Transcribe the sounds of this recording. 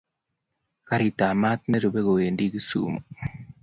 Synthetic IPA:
ka˨ɾi˨taː˨ma˦t̪̚ne˦ɾu˨βe˦ɣo˨we˨ndi˦ɣi˦sṵ˦mo

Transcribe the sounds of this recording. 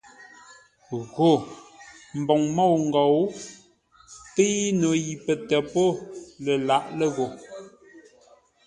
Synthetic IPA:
ɣo˨ | m̩˨bɔ˨ŋmɔ˦˨wŋ̩˨ɡɔ˨w | pe˦i˦no˨ji˨pə˨tɛ˨po˦lə˨la˦˨ʔlə˦˨ɣo˨

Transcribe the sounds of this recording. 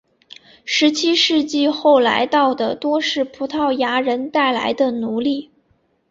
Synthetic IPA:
ʂɻ̩˧˥t͡ɕʰi˥ʂɻ̩˥˧t͡ɕi˥˧xo˥˩ʊla̰˧˥ɪt̪ɑ˥˩ʊd̪ə˩t̪wɔ˥ʂɻ̩˥˩pʰu˧˥t̪ʰɑ˥˩ʊja˧˥ɻə˧˥nt̪a˥˩ɪla̰˧˥ɪd̪ə˧nu˧˥li˥˩

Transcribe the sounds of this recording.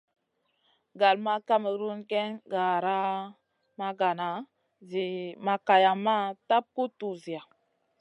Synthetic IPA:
ɡa˨lma˦ka˦mə˨ɾu˦nke˦nɡa˨ɾa˦ | ma˦ɡa˨na˨ | zi˨ma˨ka˨ja˨ma˦ta˦p̚ku˦tu˨zi˨a˨

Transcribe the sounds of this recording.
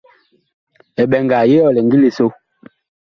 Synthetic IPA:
ɛ˨ɓɛ˨ŋɡa˨je˦ɔ˦˨lɛ˨ŋɡi˦li˨so˦

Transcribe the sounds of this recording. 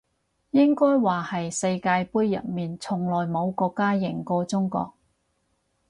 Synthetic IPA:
jɪ˥ŋkɔː˥jwaː˨hɐ˨jsɐ˧jkaː˧jpuː˥jːɐ̰˨˩t̚miː˨nt͡sʰʊ˨˩ŋlɔː˨˩jmo˨˧wkɔː˧kːaː˥jɪ˨˩ŋkɔː˧t͡sʊ˥ŋkɔ̰ː˧k̚

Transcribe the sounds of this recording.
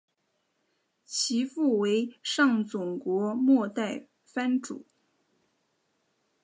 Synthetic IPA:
t͡ɕʰi˧˥fu˥˩we˧˥ɪʂɑ˥˩ŋt͡sʊ˨˩ŋkwɔ˧˥mwɔ˥˧t̪a˥˩ɪ | fa˥nʈ͡ʂṵ˨˩˦

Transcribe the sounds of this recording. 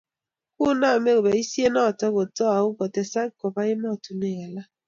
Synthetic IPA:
ku˦na˦˨me˦ko˨bɛ˨i˦sje˦nɔ˦˨tɔ˦ko˨tɔ˦a˨u˦kɔ˨tɛ˨sa˦ŋ˦kɔ˨pa˦i˦ma˦˨tu˨ne˨ɣa˨la˦

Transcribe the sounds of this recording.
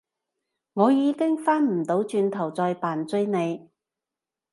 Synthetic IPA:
ŋɔː˨˧jiː˨˧kɪ˥ŋfaː˥nm̩˨˩t̪o˨˧˥wt͡ʃyː˧nt̪ʰɐ˨˩wt͡sɔː˧jpaː˨˩nt͡sɵ˥ɥne˨˧j

